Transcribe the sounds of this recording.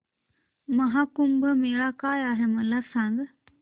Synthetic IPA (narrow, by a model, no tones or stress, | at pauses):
mɐɦakumbʱəmeːɭakaːjaːɦemɐlasãːŋɡ